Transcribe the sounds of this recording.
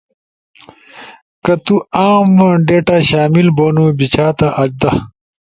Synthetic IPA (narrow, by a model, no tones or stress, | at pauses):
kɐt̪uaːmɖeːʈaɕaːmilboːnubit͡ɕʰaːt̪aʔɐd͡ʑd̪ɐ